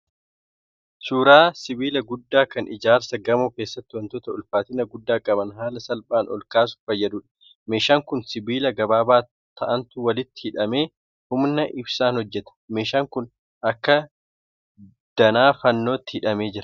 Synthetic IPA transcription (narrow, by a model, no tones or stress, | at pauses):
suːɾaːsɪbiːlɐɡʊd̪ːaːkɐnʔɪd͡ʒaːɾsɐɡɐmoːke̞ːsːɐt̪ːɪwɐnt̪ɔt̪ɐʊlfaːt̪ɪnɐɡʊd̪ːaːkʼɐbɐnɦaːlɐsɐlpʼaːnɔ̰lkaːs̬ʊ̥fɐjːɐd̪uːᶑɐ̥ | me̞ːʃaːŋkʊnsɪbiːlɐɡɐbaːbaː | t̪ʰːɐʔɐnt̪ʊwɐlɪt̪ːɪ̥hɪᶑɐme̞ː | hʊmnɐʔɪbsaːnhɔd͡ʒːɛt̪ɐ̥me̞ːʃaːŋkʊn | ʔɐkːɐ | d̪̥ɐnaːfɐnːoːt̪ːɪhɪᶑɐme̞ːd͡ʒɪɾɐ